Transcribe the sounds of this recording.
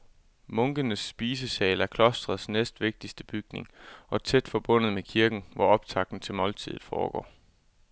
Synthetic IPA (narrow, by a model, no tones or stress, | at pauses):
mɔ̽ŋɡ̥ənəsːb̥iːsəsɛːlæɐkʰlɒ̽sd̥ʁɐð̩ˠsnesd̥ʋe̝ɡ̥̚d̥isd̥əb̥yɡ̥ne̝ŋʔɒ̽t͡sʰed̥fɒ̽b̥ɔ̽n̰ð̩ˠmekʰiɐɡ̥n̩ʋɒɒ̽b̥t͡sʰɑ̈ɡ̥̚d̥n̩t͡sʰe̝lmɒ̽lt͡sʰið̩ˠfɒ̰ːɡ̥ɒ̰ː